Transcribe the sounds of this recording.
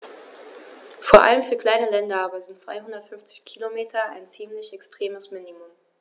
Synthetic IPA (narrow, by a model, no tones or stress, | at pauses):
foːɐʔa̰ləmfyːɐkl̥aɪnəlɛndɐaːbɐzɪntt͡sv̥a̰ɪɦʊndɐtfʏnft͡sɪçkʰilomeːtʰɐa̰ɪnt͡siːmlɪçɛkstʁ̥eːməsminimʊm